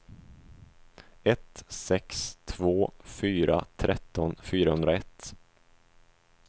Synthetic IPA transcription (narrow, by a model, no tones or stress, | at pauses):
ɛt̪sɛkst̪ʰvoːfyːɾa̰t̪ʰɾɛt̪ʰːɔnfyːɾahɵnd̪ɾaɛt̪ː